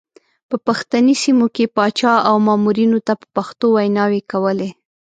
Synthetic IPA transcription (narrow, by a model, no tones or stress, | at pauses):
pəpaxt̪anisimokepɑt͡ʃɑawmɑmuɾinot̪apə̥paxt̪owajnɑwekawəle